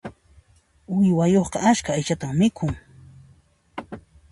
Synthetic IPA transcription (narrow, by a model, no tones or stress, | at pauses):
ʊjwajoχqɑat͡ʃkaːjt͡ʃat̪ammɪkʰʊŋ